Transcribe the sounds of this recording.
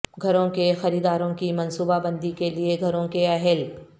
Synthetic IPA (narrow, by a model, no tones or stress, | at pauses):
ɡʱɐɾõkexɐɾiːd̪aːɾõkimɐ̃nsuːbabɐ̃nd̪ikelieɡʱɐɾõkeɐɦɪl